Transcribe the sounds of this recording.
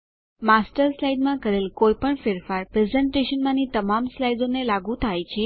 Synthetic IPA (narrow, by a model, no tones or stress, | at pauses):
masʈəɾslajɖmãkəɾelkojpəɳfeɾfaɾpɾezɛɳʈeʃənmãnit̪əmamslajɖonelaɡũt̪ʰajt͡ʃʰe